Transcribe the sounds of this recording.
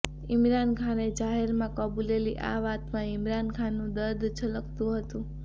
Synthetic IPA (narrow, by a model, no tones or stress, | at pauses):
ɪmɾankʰaned͡ʒaɦeɾmãkəbuleliʔa̰ʋat̪mãɪmɾankʰanːũd̪əɾd̪t͡ʃʰələk̚ʰt̪ũɦət̪ũ